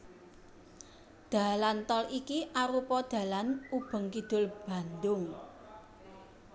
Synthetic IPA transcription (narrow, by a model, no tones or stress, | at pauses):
d̪̥a̤lant̪ɔlikiʔaɾupɔd̪̥ä̤lanub̥ə̤ŋkid̪̥ʊ̤lb̥a̤nd̪ʊŋ